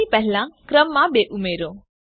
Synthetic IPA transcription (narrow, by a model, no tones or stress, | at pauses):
ipəɦɪlãkɾəmːãbeːʔumeːɾõː